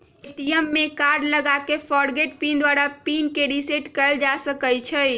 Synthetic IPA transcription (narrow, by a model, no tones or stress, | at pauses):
eʈijəmːekaɾɖləɡakefʰɔɽɡeʈ̚pind̪waɾapinkeɖiseʈkəld͡ʒasəkəjt͡ʃʰəj